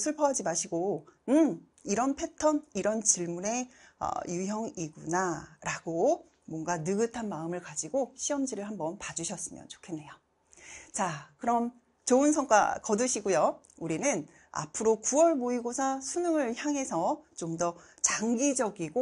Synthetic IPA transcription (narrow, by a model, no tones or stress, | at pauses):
sʰuɭpʰʌɦad͡ʑimaɕʰiɡoɯ | iɾʌnpʰe̞tʰʌniɾʌnt͡ɕiɭmune̞ʌ̰juɦjʌŋiɡunaɾaɡo | mwʌnɡanɯɡɯtʰanmaɯmɯɭkad͡ʑiɡoɕʰiʌmd͡ʑiɾɯɭhambʌnpad͡ʑuɕʰʌs͈ɯmjʌ̰nt͡ɕo̥kʰe̞nːe̞jo | t͡ɕakɯɾʌm | t͡ɕoɯns̬ʰʌŋk͈a̰kʌdɯɕʰiɡojo | uɾinɯn | a̰pʰɯɾokuwʌɭmoiɡosʰasʰunɯŋɯɭçjaŋɦe̞sʰʌt͡ɕomdʌt͡ɕaŋɡid͡ʑʌɡiɡo